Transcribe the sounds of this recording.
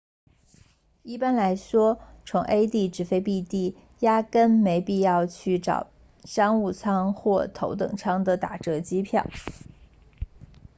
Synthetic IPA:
i˥˩pa˥nla˧˥ɪʂwɔ˥t͡sʰʊ˧˥ŋʔe˥ɪt̪i˥˩ʈ͡ʂɻ̩˨˩fe˥ɪpi˥˧t̪i˥˩ | ja˥kə˥nme˧˥ɪpi˥˧jɑ˥˧ʊt͡ɕʰy˥˩ʈ͡ʂɑ̰˨˩ʊ | ʂɑ˥ŋu˥˩t͡sʰɑ˥ŋxwɔ˥˩t̪ʰo˧˥ʊt̪ɤ̰˨˩ŋt͡sʰɑ˥ŋd̪ə˨t̪a̰˨˩ʈ͡ʂɤ˧˥t͡ɕi˥pʰjɑ̰˥˩ʊ

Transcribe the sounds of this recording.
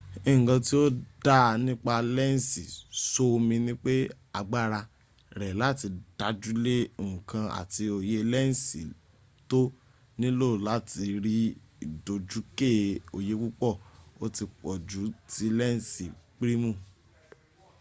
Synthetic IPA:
ẽ˦˨ɡã˧ti˦o˦da˦nĩ˦k͡pa˧lɛ˦˨n̩˨si˨so˦˧mĩ˧nĩ˦k͡pe˦ | a˧ɡ͡ba˦˨ɾa˧ | ɾɛ˨la˦ti˧d̥a˧˦d͡ʒu˦lẽ˦˨kʰã˧a̰˨ti˧o˨je˦lɛ˦n̩˨sḭ˨ | to˦ | nĩ˦lo˦˨la˨˦ti˧ɾi˦ | i˨do˧d͡ʒu˨˦ke˦˨o˨je˧ku˦k͡pɔ˦˨o˦ti˧k͡pɔ˨d͡ʒu˨˦ti˧lɛ˦˨si˨k͡pɾi˦mũ˦˨

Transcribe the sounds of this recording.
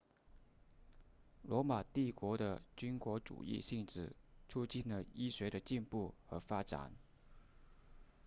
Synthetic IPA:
lwɔ˧˥ma˨˩t̪i˥˩kwɔ˧˥d̪ə̰˧t͡ɕy˥nkwɔ˧˥ʈ͡ʂṵ˨˩ḭ˥˧ɕi˥˧ŋʈ͡ʂɻ̩˨˩t͡sʰu˥t͡ɕi˥˩nlə˩i˥ɕɥɛ˧˥ɾə˧t͡ɕi˥˧npu˥˩xɤ˧˥fa˥ʈ͡ʂa̰˨˩˦n

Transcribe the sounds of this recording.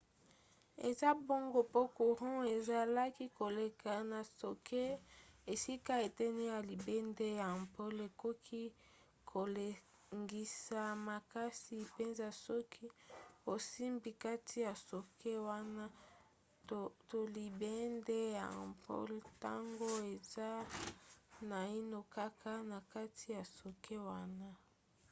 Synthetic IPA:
ḛ˨za˦bo˦ŋɡo˦po˦ku˨ʁɔ̃˦e˨za˨la˦ki˦ko˨le˨ka˨na˨so˨kʰe˦e˨si˦ka˦e˨tɛ˦ne˦ja˨li˨be˦nde˦ja˨mpo˦le˨ko˦kʰi˦ | kʰo˨le˨ | ŋɡi˨sa˨ma˨ka˦si˨pe˦nza˨sɔ˦kʰi˦o˨si˦mbi˨ka˦tʰi˦ja˨so˨kʰe˦wa˦na˦ | to˨li˨be˦nde˦ja˨mpo̰˦lta̰˦ŋɡo˦e˨za˦ | na˨i˦no˦ka˦kʰa˦na˨ka˦tʰi˦ja˨so˨kʰe˦wa˦na˦

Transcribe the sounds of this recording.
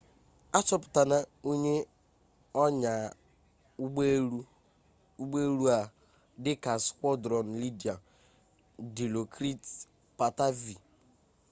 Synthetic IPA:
a˦t͡ʃɔ˦pʊ̥˨ta˨na˦o˦ɲe˦ | ɔ˦ɲa˨˦ | u˦ɡ͡be˦ɾu˦a˨ | dɪ˦ka˨skʷɔ˦dɾɔ˨n̩˨li˦di˨a˨ | di˨lo˨kɾi˦t | pa˨ta˦vi˨

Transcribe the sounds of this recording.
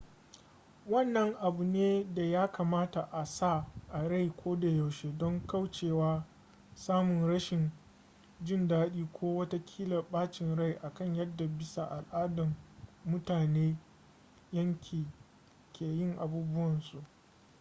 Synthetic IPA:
wɐ˦˨nːɐ˦ŋʔa˨bu˨neː˦da˨jaː˦ka˨maː˦ta˨ʔa˨sa˦˨ʔa˨ɽa˦˨jkʷoː˦da˨ja˨wʃeː˦dɔ˦ŋka˦˨wt͡ʃeː˦˨waː˦ | saː˦mʊ˨nɾɐ˦ʃɪ˨n | d͡ʒɪ˦ndaː˦ɗiː˦kʷʰoː˦wɐ˦ta˦kʲʰiː˦lɐ˨rɓaː˦t͡ʃɪ˨nɽa˦˨jʔa˨kɐ˦ɲjɐ˦dːa˨bɪ˦sa˨ʔa˨lʔaː˦dɐ˨mːʊ˦taː˨neː˦ | jɐ˦ŋkʲʰiː˨ | kʲeː˨jɪ˦˨ŋʔa˨buː˦bʊ˦wɐ˨nsu˨ʔ

